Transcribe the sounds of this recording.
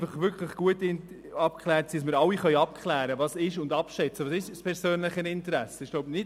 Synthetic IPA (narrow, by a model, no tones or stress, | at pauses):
fɑχvʏɾkʰləχɡ̥uətɪn | ɑpkʰχlæːɾtsidɑsmɪɾɑwiχœʏɑpkʰχlæːɾəvɑːsɪʃʊndɑpʃɛt͡səvʋɑːsɪʃspʰɛɾsøːnləχənɪntəɾæsːəɪʃɡ̥loʊbnɪ